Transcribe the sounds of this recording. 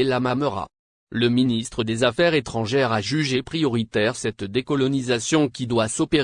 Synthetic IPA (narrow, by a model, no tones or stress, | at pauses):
elamaməʁa̰ | ləminist̪χəd̪ezafɛʁet̪χɑ̃ʒɛʁaʒyʒepχijɔʁit̪ɛʁsɛt̪d̪ekɔlɔnizasjɔ̃kʲid̪wasɔpe